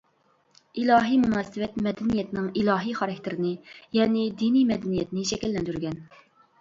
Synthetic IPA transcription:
ilɑːɦijmunɑːsɨvɛt̪mɛd̪ɛnijɛt̪ʰɪnɪŋilˠɑːɦijχɑɾɛkʲt̪ʰɪɾɪnɪjɛnɪd̪inimɛd̪ɛnijɛt̪nɪʃɛkʲɛlːɛnd̪yɾɡʲɛn

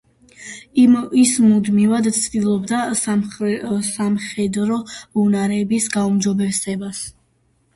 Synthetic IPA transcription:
imismud̪mivad̪t̪sʰd̪ilˠɔbd̪as | samχɛd̪ɾɔunaɾɛbisɡaumd̪d͡ʒɔbɛvsɛbas

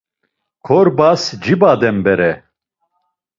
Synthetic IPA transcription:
kʰɔɾbasd͡ʒibad̪ɛmbɛɾɛ

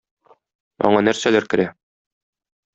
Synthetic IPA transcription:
ɒ̰ɴɑnæɾsælæɾkɘ̆ɾæ

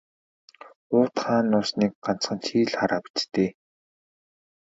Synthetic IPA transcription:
ʊːt̪χaːnːʊːsniːk̚ɢan̥t͡sχə̆nt͡ɕʰiːɮχaɾaːpi̥t͡ɕt̪eː

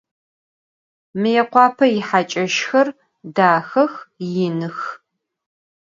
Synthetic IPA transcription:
mɨjɛqʷɑːpʰɐjɪħat͡ʃʼɐʃxɐr | daːxɐxjɪnɨx

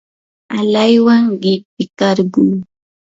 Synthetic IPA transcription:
alajwaŋɢɪpɪkaɾɢuː

